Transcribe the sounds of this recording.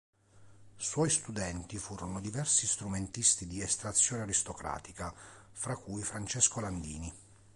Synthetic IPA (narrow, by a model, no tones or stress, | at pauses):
swɔjst̪ud̪ɛnt̪ifuːɾonod̪ivɛrsist̪ɾument̪ist̪id̪iɛst̪ɾat̪sːjoːneaɾist̪okɾa̰ːt̪ikafɾakːujfɾant͡ʃɛskoland̪ḭːni